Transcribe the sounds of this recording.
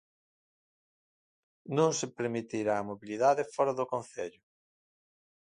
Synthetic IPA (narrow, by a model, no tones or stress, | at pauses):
nõŋsɪpeɾmit̪iɾaːmoβiliðaðɪfɔɾaðʊkõn̟θeʎʊ